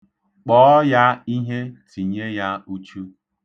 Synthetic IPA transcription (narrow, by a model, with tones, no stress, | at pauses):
k͡pɔː˦ja˦i˦ɦe˦tʰi˨ɲe˦ja˦u˦t͡ʃu˦